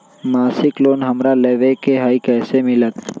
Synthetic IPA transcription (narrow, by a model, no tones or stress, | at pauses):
maːsɪkloːnɦɐmɾaleːʋekeɦaːikɛːsemɪlət̪